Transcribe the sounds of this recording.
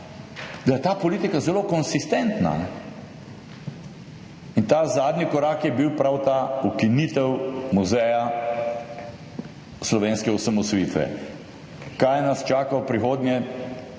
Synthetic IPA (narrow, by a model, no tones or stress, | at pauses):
d̪ajɛt̪aːpɔliːt̪ikazɛloːkɔnsist̪ɛnt̪na̰nɛ | int̪aːzaːd̪nikɔɾaːkjɛbiwpɾawt̪aːukinit̪ɛwmuzɛja | slɔʋeːnskɛusamɔsɔjit̪ʋɛ̰ | kajnɐst͡ʃaːkawpɾixoːd̪njɛ